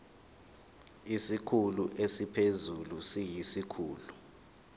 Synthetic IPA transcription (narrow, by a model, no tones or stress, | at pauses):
isikʰuluʔesipʰezulusijisikʰuːlu